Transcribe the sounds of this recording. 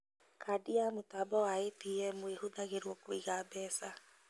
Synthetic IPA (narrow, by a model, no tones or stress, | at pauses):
kʰadiamotabɔwaetiɛmoehoðaɣeɾwɔkwoiɣabɛːsa